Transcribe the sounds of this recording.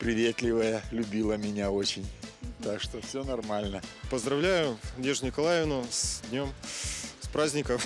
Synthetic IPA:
pɾʲɪvʲe̞t̪lʲɪvəjəlʲʊbʲilˠəmʲɪnʲao̞t͡ɕɪnʲt̪akʂt̪ofsʲɵnɐrmalʲnəpəzd̪ɾɐvlʲæjʊdʲeʐnʲɪkɐlˠajɪvnʊsdʲnʲomspɾazʲnʲɪkəm

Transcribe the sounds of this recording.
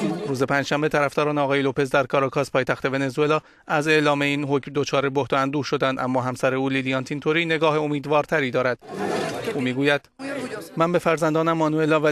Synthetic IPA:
ruːze̞pʰæːnd͡ʒʃæmbe̞t̪ʰæɾæfd̪ɒːɾɒːneɒːɣɒːjelopʰe̞zd̪æɾkʰɒːɾɑkʰɒːspʰɒːjt̪æxt̪e̞ve̞ne̞zue̞lɒː | æze̞ʔlɒːmeiːnɦocmd̪o̞t͡ʃʰɒːɾebohd̪ɒænd̪uːɾʃo̞d̪ænd̪ʔæ̰mːɒːɦæmsæɾeuːlilijɑːnt̪ʰint̪ʰoɾiːne̞ɡɒːɦeo̞miːd̪vɒːɾt̪ʰæɾiːd̪ɒːɾæd̪̥ʔuːmiːɡuːjæd̪̥mænbe̞fæɾzænd̪ɒːnæmːɒːnue̞lɒːvæ

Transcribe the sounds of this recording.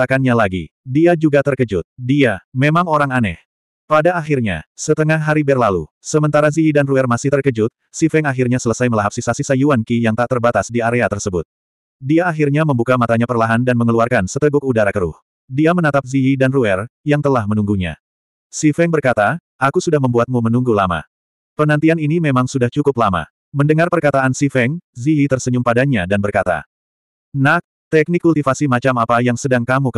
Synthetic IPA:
akanɲalaɡḭdiad͡ʒuɡat̪ərkəd͡ʒʊt̪̚diamemaŋoɾaŋanɛ̰h | padaːɦirɲa̰sət̪əŋahɦaɾibɛrlalṵ | səmənt̪aɾaziidanruɛrmasɪht̪ərkəd͡ʒʊt̪̚sifɛŋaɦirɲasələsajməlaɦap̚sisasisajuankijaŋt̪aʔt̪ərbat̪asdiaɾeat̪ərsəbʊt̪̚ | diaːɦirɲaməmbukamat̪aɲapərlaɦandanməŋəluarkansət̪əɡʊk̚udaɾakəɾʊ̰h | diamənat̪ap̚ziidanruɛrjaŋt̪əlahmənuŋɡuɲa̰ | sifɛŋbərkat̪a | ʔakusudahməmbuat̪̚mumənuŋɡulama̰ | pənant̪ianinimemaŋsudaht͡ʃukʊplama̰ | məndəŋarpərkat̪aʔansifɛŋziit̪ərsəɲʊmpadaɲadanbərkat̪a̰ | nah | t̪ɛk̚nikːult̪ifasimat͡ʃamapajaŋsədaŋkamukə

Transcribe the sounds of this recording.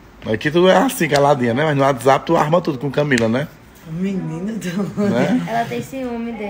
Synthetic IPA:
ɛkɪt̪ud̪ʊɛasĩkalad̪ĩɲɐnɛmaznʊat̪zap̚t̪ua̰ɦmɐ̃t̪ud̪ʊkõkɐ̃milɐnɛ | minĩnɐd̪ɐnɛɛlɐt̪ẽj̃sẽõmẽd̪e

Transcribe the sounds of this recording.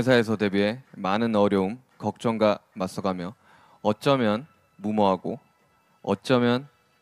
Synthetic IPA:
sʰae̞s̬ʰʌte̞biɦe̞manɯnʌɾjʌum | kʌk̚t͡ɕ͈ʌŋɡamas͈ʌɡamjʌ | ʌt̚t͡ɕ͈ʌmjʌn | mumoɦaɡo | ʌt̚t͡ɕ͈ʌmjʌn

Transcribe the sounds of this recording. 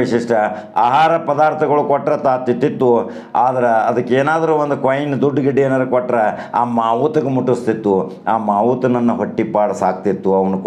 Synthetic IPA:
iʂiʂʈɐ | aːɦaːɾɐpɐd̪aːɾt̪ʰɐɡɐɭukɔʈːɾɐt̪aːt̪ːit̪ːit̪ːu | aːd̪ɐɾeɐd̪ɐkːeːnaːd̪ɐɾuːond̪ukʋɐjnd̪uɖːɡiɖieːnad̪ɾɐkɔʈːɾɐa̰ːmaːʋuːt̪ɐɡemuʈːust̪it̪ːu | aːmaːʋuːt̪ɐnɐnːuɦoʈːipaːɽɐsaːk̚t̪it̪ːuɐʋɐnuk

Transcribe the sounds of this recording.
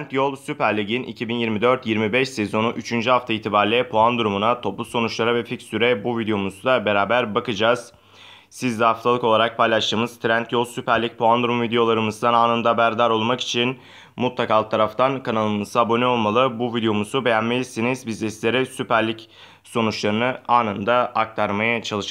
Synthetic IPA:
nt̪jo̞lˠsypæɾlʲiɟinʔḭcʰibinjiɾmid̪ø̞ɾt̪jiɾmibɛʃsɛzo̞nuʔyt͡ʃʰynd͡ʒyɦaft̪ʰaiːt̪ʰibaːɾlʲɛpʰoand̪uɾumunat̪ʰo̞plˠuso̞nut͡ʃlˠaɾavɛficsyɾɛbuvid̪ejo̞muzd̪abe̞ɾaːbæɾbakɯd͡ʒaːz̥ | sizd̪ɛhaft̪ʰalˠɯko̞lˠaɾak̚pʰajlˠaʃt̪ɯːmɯzt̪ʰɾænt̪josypæɾlʲic̚pʰoand̪ɾumvid̪ejo̞lˠaɾɯmɯzd̪anaːnɯnd̪abæɾd̪aɾo̞lˠmaki̥t͡ʃʰin | mut̪lˠakalˠt̪ʰaɾaft̪ʰankʰanalˠɯnɯsabo̞nio̞lˠmalˠɯbuvid̪eo̞muzube̞jænmelʲisinizbizist̪lʲe̞ɾɛsypæɾlʲic | so̞nut͡ʃlˠaɾɯnɯaːnɯnd̪aak̚t̪ʰaɾmajat͡ʃʰalˠɯʃɯ

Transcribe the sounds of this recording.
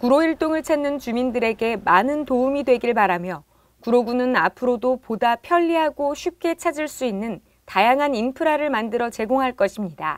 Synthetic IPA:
kuɾoiɭt͈oŋɯɭt͡ɕʰanːɯnt͡ɕumindɯɾe̞ɡe̞manɯntoumidwe̞ɡiɭpaɾamjʌ | kuɾoɡunɯna̰pʰɯɾodopodapʰjʌʎːiɦaɡoɕʰɥip̚k͈e̞t͡ɕʰad͡ʑiɭs͈uinːɯn | tajaŋɦaninpʰɯɾaɾɯɭmandɯɾʌt͡ɕe̞ɡoŋɦaɭk͈ʌɕʰimɲida̰

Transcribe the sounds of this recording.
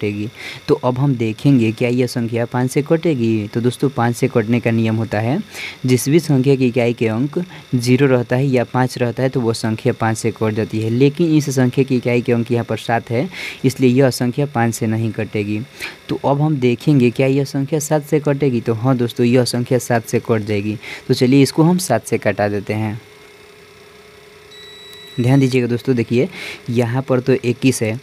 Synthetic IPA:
ʈeɡit̪ɔʔəbɦəmd̪ekʰẽŋɡekjaijəsə̃ŋkʰjapãt͡ʃsekəʈeɡit̪ɔd̪oːst̪opãːt͡ʃsekəʈnekanijəmɦot̪aɦɛd͡ʒɪsbʱisə̃ŋkʰjak̬ekaikeə̃ŋkd͡ʒiɾoɾəɦt̪aɦɛjapãt͡ʃɾəɦt̪aɦɛt̪owosə̃ŋkʰjapãt͡ʃsekəʈd͡ʒat̪iɦɛlekinisesə̃ŋkʰjakekaikeə̃ŋkjəɦãpəɾsat̪ʰɦɛɪsliejeəsə̃ŋkʰjapãːt͡ʃsenɐɦĩkɐʈeːɡit̪oʔɐbɦɐmd̪eːkʰẽŋɡekjajeəsə̃ŋkʰjasaːt̪ʰsek̬əʈeːɡit̪oɦɐ̃d̪oːst̪ojeəsə̃ŋkʰjasaːt̪ʰsekəʈd͡ʒaːeɡit̪ot͡ʃɐlieɪskoɦɐmsaːt̪ʰsekɐʈad̪eːt̪eɦɛ̃ː | d̪ʱjaːnd̪iːd͡ʒieɡed̪oːst̪od̪eːkʰiejɐɦãpəɾt̪oʔeːkisɦɛː

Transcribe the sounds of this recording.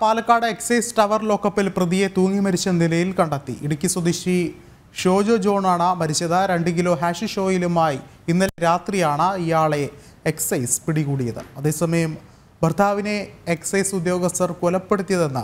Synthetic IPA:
paːlɐkːaːɽɐeksɐjsʈɐʋɐrlo̞ːkːɐpːilprɐðije̞t̪uːŋːimɐɾit͡ɕːɐnilɐjilkɐɳɖɐt̪ːḭʔiɽukʲːiswɐd̪iɕi | ʂo̞ːd͡ʑoːd͡ʑo̞ːɳaːɳɐmɐɾit͡ɕːɐðɐɾe̞ɳɖɨkilo̞ːɦaːʂiʂo̞ːjilumaːjiinːɐleɾaːt̪rijaːɳɐijaːɭe̞ | eksɐjspiɽiɣuːɽijɐðɨ̰ɐðe̞ːsɐmɐjɐm | bʱɐrd̪ʱaːʋine̞eksɐjsud̪jo̞ːɡɐst̪ɐrkolɐpːe̞ɽut̪ːijɐðe̞nːɐ̰

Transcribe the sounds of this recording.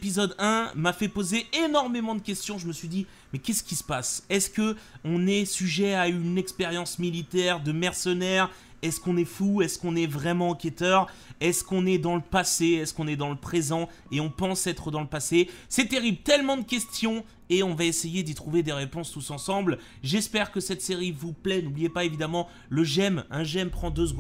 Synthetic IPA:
pizɔd̪ɛ̃mafɛpozeenɔʁmemɑ̃d̪əkʲɛst̪jɔ̃ʒəməsɥid̪i | mɛkʲɛsə̥kʲisə̥pasɛskəɔ̃nɛsyʒɛaynɛkspeʁjɑ̃smilit̪ɛʁd̪əmɛʁsənɛʁ | ɛskɔ̃nɛfuɛskɔ̃nɛvʁɛmɑ̃ɑ̃kʲet̪œʁɛskɔ̃nɛd̪ɑ̃ləpaseɛskɔ̃nɛd̪ɑ̃ləpχezɑ̃ | eɔ̃pɑ̃sɛt̪χəd̪ɑ̃ləpasesɛt̪eʁiblt̪ɛlmɑ̃d̪əkʲɛst̪jɔ̃ | eɔ̃vaesejed̪it̪χuved̪eʁepɔ̃st̪usɑ̃sɑ̃bl | ʒɛspɛʁkəsɛt̪seʁivuplɛnublijepaevid̪amɑ̃ | ləʒɛmɛ̃ʒɛmpχɑ̃d̪øzɡ̃

